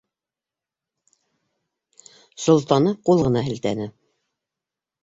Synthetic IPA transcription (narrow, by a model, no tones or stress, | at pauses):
sŏlˠt̪ɑnɤqulˠʁɤ̆nɑɦɘ̆lt̪æ̰nɘ